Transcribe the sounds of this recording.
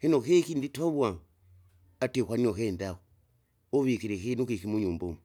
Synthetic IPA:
hinokekinditoβwaŋ | atekwaniokendako | oβikiɾikinukikimuɲumbumu

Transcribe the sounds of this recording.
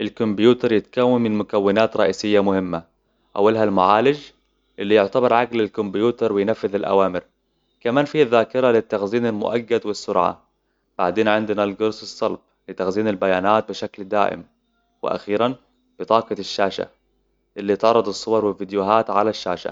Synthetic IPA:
ʔɪlkʊmbjuːt̪ɑɾˤjɪt̪kawːamːɪnmʊkawːɪnaːt̪ɾˤɑʔiːsɪjːamʊhɪmːa | ʔa̰wːalɦalmʊʕaːlɪd͡ʒ | ʔɪlːijʊʕt̪abɪɾˤʕaɡlalkʊmbjuːt̪ɑɾˤwɪjnafːɪðalʔa̰waːmɪɾ | kamaːnfiːhaðːaːkɪɾˤalɪt̪ːaxziːnalmʊ̰ʔaɡːad̪wɪsːʊɾʕa̰ | b̥aʕd̪eːnʕɪnd̪ɪnalɡʊɾˤsɨsˤːɑlb̚ | lɪt̪axziːnalbajaːnaːt̪̚bɪʃakld̪a̰ːʔɪ̰m | wɪ̰ʔa̰xiːɾan | b̥ɪt̪ˤɑːqɑʃːaːʃa̰ | ʔɪlːit̪ʕɑrˤːɑd̪ˤɑsˤːʊwɑɾˤwɪlvid̪jʊɦaːt̪ʕalaʃːa̰ːʃa̰

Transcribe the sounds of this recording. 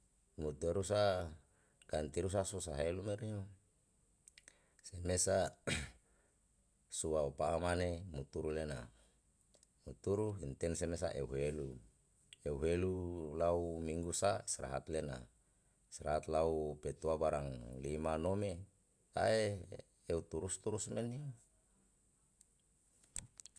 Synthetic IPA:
mut̪uaɾus̬a | kant̪iɾus̬asusaɦelumeɾiɲo | semesa | suaupaːmanemut̪uɾulena̰ | mut̪uɾuɦint̪ɛnsemesa̰ʔeuɦelu | euɦelulaumiŋɡusaisɾa̰ɦa̰t̪lena̰ | sɾa̰ɦat̪laupet̪uabaɾaŋlimanome | t̪ae | eut̪uɾust̪uɾusmeni

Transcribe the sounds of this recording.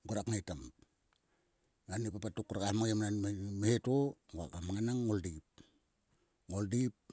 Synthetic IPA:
ɡuɾakŋajtam | anipapatukːuɾakahmajamananmehetoŋoa̰kamaŋanaŋːoldip̚ | ŋoldip̚

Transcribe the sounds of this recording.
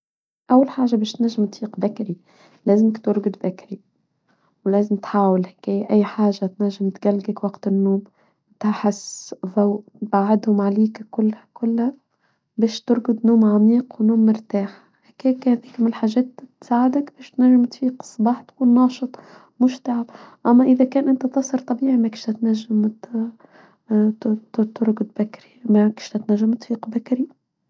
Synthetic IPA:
ʔawːalħaːʒabɛːʃt̪næʒːɪmt̪fiːqbakɾi | læːzɪmɪkt̪ʊɾɡʊd̪bæakɾi | wlæːzɪmt̪ħaːwɪlhækæːjʔæjːħaːʒat̪næʒːɪmt̪ɡælɡakwɑqt̪ɪnːuːm | t̪aħɪsːðaw̪baʕɪd̪hʊmʕaliːkkʊlːkʊlːhæ | bæːʃt̪ʊɾɡʊd̪nuːmʕamiːqwnuːmːʊɾt̪aːħ | hækæːkhæðiːkmɪnɪlħaːʒɛːt̪t̪ːsaːʕɪd̪akbæːʃt̪næʒːɪmt̪fiːqsˤbɑːħt̪kuːnːɑːʃɨt̪ˤ | mʊʃt̪aʕabʔæmːæʔɪðækæːnʔɪnt̪æt̪ɑsˤɑɾt̪ˤɑbiːʕimækɪʃt̪ɪt̪næʒːɪmt̪ | t̪ʊɾɡʊd̪̚bakɾimækɪ̥ʃt̪ɪt̪næʒːamt̪fiːqbakaɾi

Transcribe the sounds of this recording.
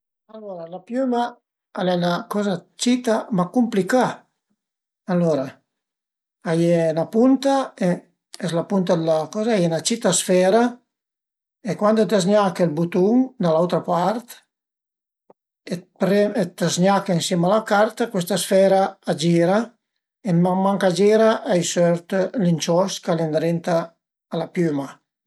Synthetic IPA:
alːoɾalapjyma | alɛnakɔzat͡ʃit̪amakumplika | alːoɾa | ajenapunt̪ae | ɛslapunt̪ad̪lakɔzaajenat͡ʃit̪asfɛɾa | ekwand̪ot̪azɲakelbut̪uŋd̪alawt̪ɾapaɾt̪ | epɾɛt̪azɲakaensjɛmalakaɾt̪akwest̪asfɛɾaːd͡ʒiːɾa | eamːaŋkad͡ʒiːɾaʔajsøɾt̪lint͡ʃɔskalend̪ɾent̪aː | lapjyma

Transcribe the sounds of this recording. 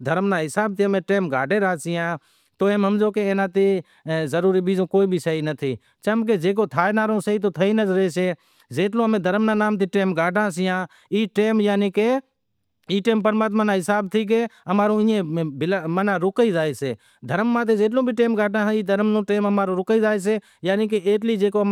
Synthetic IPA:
d̪ʱəɾmnãːɦɪsaːb̚t̪ʰiːɦəmẽːʈeːmɡʱaːɖʱeːɾaːsɪjãː | t̪oːẽːmɦəmd͡ʒoːkeeːnãːt̪eː | zəɾuːɾiːɓiːd͡ʒõːkoːiːbʱiːsəiːnət̪ʰiː | t͡ʃəmk̬eːd͡ʒeːk̬oːt̪ʰaːenaːɾõːsəiːt̪̬oːt̪ʰəiːnəzəɾeːseː | d͡ʒeːʈlõːəmẽːd̪ʱəɾmnãːnaːmt̪iːʈeːmɡaːɖãːsɪjãː | iːʈeːmjaːniːkeː | iːʈeːmpəɾmaːt̪mãːnãːɦɪsaːb̚t̪ʰiːk̬eːəmaːɾõːĩːẽːbɪlmənãːɾʊkiːzaːeːseː | d̪ʱəɾmːãːt̪̬eːd͡ʒeːʈ̬lõːbʱiʈeːmɡaːʈãːiːd̪ʱəɾmnõːʈeːməmaːɾõːɾʊkiːzaːeːs̬eː | jaːniːk̬eeːʈliːd͡ʒeːkoː

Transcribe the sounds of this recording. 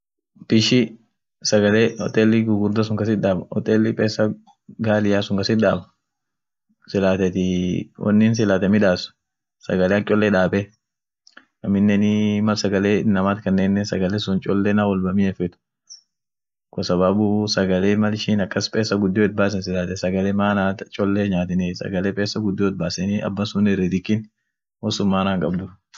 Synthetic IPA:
pɪʃɪ | sɐɡɐleːɔt̪ʼeːlːɪɡʊɡʊɾd̪ɐs̬ʊŋkɐsɪᶑ̪aːbɐɔ̰t̪ʼeːlːɪpʼeːsːɐ | ɡaːlɪjaːsʊŋkɐsɪᶑ̪aːbɐ̥ | sɪlaːt̪ɛt̪ɪwʔɔ̰nːɪns̬ɪlaːt̪ɛmɪᶑaːsʊ̥ | sɐ̰ɡɐleɐŋt͡ʃʼɔlːɛᶑaːbɛ | ɐmɪnːɛnɪmɐlsɐɡɐleːɪnːɐmaːt̪kɐnːeːnːɛsɐɡɐlɛsʊnt͡ʃʼɔlːɛnaːwɔlbɐmiːɛfɛt̪ʊ̥ | kɔsɐβaːbusɐɡɐleːmɐlɪʃiːnɐkːɐspʼeːsːɐɡʊd̪ːɪjoɪt̪̚baːsɛnsɪlaːt̪ɛsɐɡɐlɛːmaːnaːt̪t͡ʃʼɔlːeɲaːt̪ɪnɛsɐ̰ɡɐleːpʼeːsːɐɡʊd̪ːɔːɪt̪̚baːsɛnɪɐ̰bːɐsʊnɪrːɪd̪ɪkːɪn | wɔsʊmːaːnaːŋkʼɐbd̪ʊɾ

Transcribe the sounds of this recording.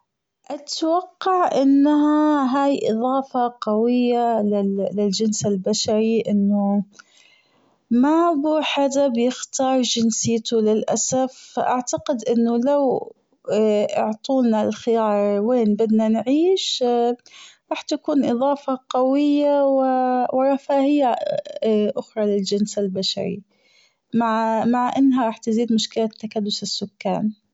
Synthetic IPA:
ʔat̪waqːɑʕʔɪnːɦaɦaːjʔɨ̰ðˤɑːfɑqawɪjːalɪlɪld͡ʒɪnsɪlbaʃaɾiʔɪnːʊ | mabuːħad̪abjɪxt̪ɑːɾˤd͡ʒɪnsɪːt̪ulɪlʔasafːaʔaʕt̪aqɪd̪ʔɪnːʊlaw | ʔɪʕt̪ˤuːnalxɪjɑːɾˤweːnbɪd̪nanʕiːʃ | ɾˤɑːħt̪akuːnʔɨðˤɑːfɑqawɪjːawɪwʔɾˤɑfaːhɪja | ʔʊxɾˤɑlɪld͡ʒɪnsalbaʃa̰ɾḭ | maʕmaʕʔɪnːɦaɾˤɑːħt̪ɪziːd̪mʊʃkɪlat̪ːakad̪ːʊsɪsːʊkːa̰ːn

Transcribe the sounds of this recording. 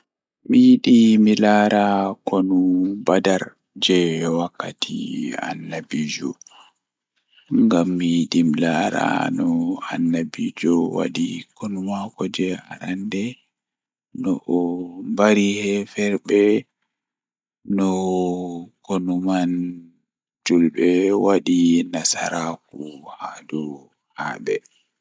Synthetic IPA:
mijiɗimilaɾʔakɔnubadaɾ | d͡ʒɛwakːatʰḭa̰nːabiːd͡ʒɔ̰ | ŋɡamːijiɗimilaɾa̰nɔa̰nːabid͡ʒɔwa̰ɗikɔnumakɔd͡ʒɛaɾandɛ | nɔʔːmbaɾihɛfɛɾbɛ | nɔ | konuman | d͡ʒulbɛwaɗinasa̰ɾakuhadɔ | haːɓɛ

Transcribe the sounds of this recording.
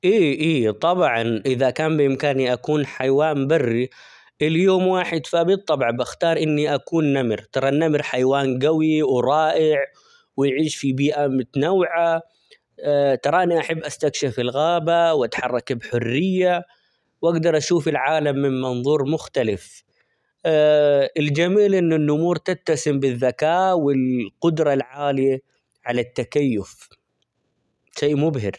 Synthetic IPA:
ʔiːʔiːt̪ˤɑbʕɑnʔɪðakaːmbɪʔɪmkaːniʔakuːnħajwaːnbarːi | ʔɪljoːmwaːħɪd̪fabɪt̪ˤːɑbʕbaxt̪ɑːɾˤʔɪnːiʔakuːnːamɾt̪ɑɾˤɑnːamɾħajwaːnɡawiwɾˤɑːʔɪʕ | wɪjʕiːʃfibiːʔamʊt̪nawʕa | t̪ɑɾˤɑʔɪnːiʔaħabːʔast̪akʃafɪlɣaːbawʔat̪ħɑrˤːɑkbħʊrːɪjːa | wʔaɡd̪ɑɾˤʔaʃuːfɪlʕaːlamːɪnmɑnðˤuːɾˤmʊxt̪alɪf | ɪld͡ʒamiːlʔɪnːɪnːʔʊmuːɾt̪ɪtt̪ːasɪmbɪðːakaːwɪlqʊd̪ɾˤɑlʕaːlɪja | ʕalat̪ːakajːʊf | ʃeːʔmʊbɦɪɾ

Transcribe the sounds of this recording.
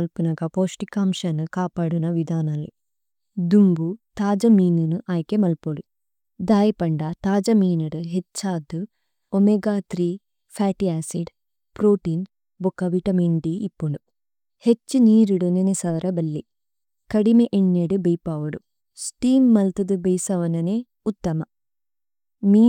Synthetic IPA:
ɐlpunɐɡɐpoːʂʈikaːmʃɐnukaːpaːɽunɐʋid̪ʱaːnɐlːi | d̪umbut̪aːd͡ʒɐmiːnunuʔaːjkemɐlpoɽu | d̪aːjɐpɐɳɖɐt̪aːd͡ʒɐmiːnɐɽɨɦet͡ʃːaːd̪u | omeɡaːt̪ɾiː | fʰaːʈiaːsiɖ | pɾoːʈiːn | bɔkːɐʋiʈɐmiɳɖiːpːoɳu | het͡ʃːɨniːɾuɽunenesɐʋɐɾɐbɐlːi | kɐɽimeʔeɳːeɽubɐjpaːʋɐɽu | sʈiːmːɐlt̪ɐd̪ɨbejsɐʋɐnɐne | ut̪ːɐmɐ | miː

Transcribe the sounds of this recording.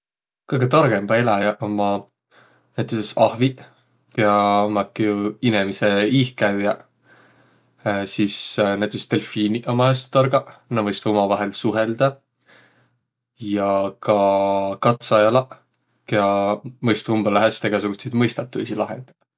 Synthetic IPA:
kɤjɡet̪ɑɾɡ̥e̞mb̥ɑelɑjɑʔomɑ | næjt̪ːˑusesɑhvi | jɑomɑkːˑijuinemiseihkæɥjɑ | sisnæjt̪ːˑuset̪e̞lfiːniʔomɑest̪ːɑɾɡ̥ɑnɑvɤjst̪omɑvɑɦe̞lsuɦeld̪̥ɑ | jɑkɑkɑt̪sɑjɑlɑ | keɑmɤjst̪umbɑlæɦest̪eɡ̥ɑsuɡ̥usejd̪mɤjst̪ɑt̪ːˑujsilɑ̰ɦḛnd̪̥e

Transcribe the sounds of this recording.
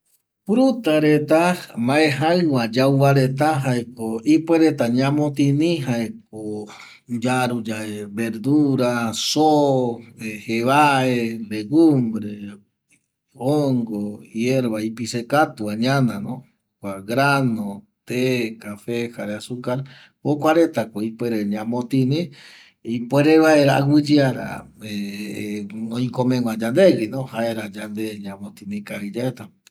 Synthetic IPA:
pɾut̪aɾet̪amaeɦaɨw̃ad͡ʒawβaɾet̪̬aɦaekoipweɾet̪aɲãmõt̪inĩɦaek̚o | d͡ʒaɾud͡ʒaeβeɾd̪uɾaso | eheβaeleɡumbɾe | oŋɡojeɾβaipisekat̪uaɲãnãnõ | kʷaɡɾanõ | t̪ekafehaɾeasukaɾ | hokʷaɾet̪akoipweɾeɲãmõt̪ĩnĩ | ipweɾeβaeɾa̰ɡʷɨd͡ʒiaɾa̰ | e | nõĩkomẽŋʷãd͡ʒand̪eɡinõhaeɾad͡ʒand̪eɲãmõt̪inĩkaid͡ʒaet̪a

